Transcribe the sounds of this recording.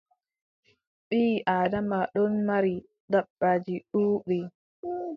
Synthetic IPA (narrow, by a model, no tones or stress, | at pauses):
ɓiːʔaːdamaɗɔnmaɾi | daɓːad͡ʒiɗuːɓi